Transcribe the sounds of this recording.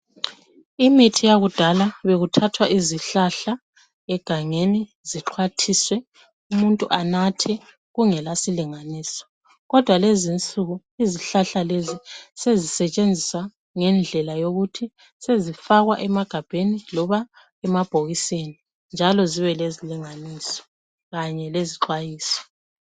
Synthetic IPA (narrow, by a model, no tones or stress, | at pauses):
imitʰijaɣud̥ʱalaβeɣutʰatʰwaʔiziɬaɬa | ɛɡ̥ʱaŋeni | ziǁʰwatʰiswɛ | umuntʼṵʔanatʰɛ | ɣuŋɛlasiliŋaniːsɔ̥ | ɣɔd̥ʱwalezint͡sʼuɣu | iziɬaɬalezisezisɛt͡ʃʼend͡zʱiswa | ŋɛnd͡ɮʱɛlajoɣutʰi | sezifaɣwaʔɛmaɡ̥ʱab̥ʱenilɔβa | ɛmab̥ʱoɣiseni | nd͡ʒʱalɔziβɛleziliŋanisɔ̥ | ɣaɲɛleziǃwajiːsɔ̥